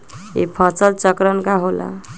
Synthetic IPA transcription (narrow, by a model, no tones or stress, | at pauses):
ḭpʰət͡səlt͡ʃəkɾənkaɦola̰